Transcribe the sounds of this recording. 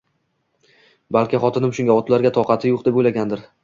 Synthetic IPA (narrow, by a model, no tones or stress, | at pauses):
balkʲɪχɒt̪ʰɪnɪmʃʊŋʲaɒt̪laɾɡʲat̪ʰɒqɑt̪ʰɪjoq̚d̪epojlaɡʲand̪ɪɾ